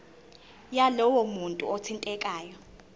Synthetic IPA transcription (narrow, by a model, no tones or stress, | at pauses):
jalɔwɔmuntʼṵot͡sʰintʼɛkʼaːjɔ